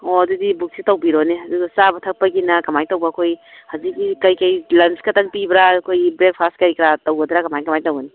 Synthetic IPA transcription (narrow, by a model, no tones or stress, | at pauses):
oɐdudibuk̚sitɐwbiɾoneɐduɡɐsabɐtʰɐk̚pɐɡinɐkɐmajtɐwbakʰoj | hazik̚ːikɐjkɐjlɐnskɐtʰaŋpibɾakʰojbɾek̚pʰastkɐɾikɾatɐwɡɐdɾakɐmajkɐmajtɐwɐni